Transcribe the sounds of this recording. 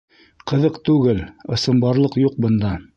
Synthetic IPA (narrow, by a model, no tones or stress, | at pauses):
qɤ̆ðɤqt̪ʉɡɘlɤ̆sɤ̆mbɑɾlˠɤqjuq̚bɤ̆nd̪ɑ